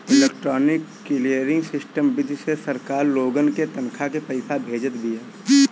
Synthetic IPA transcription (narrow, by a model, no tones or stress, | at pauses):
ɪleːk̚ʈɾɔːnɪkːɪlijəɾɪ̃ŋɡsɪsʈəmbɪd̪ʱsesəɾkaːɾloːɡənket̪ənkʰakepɐɪsʰabʱeːd͡ʒət̪bijaː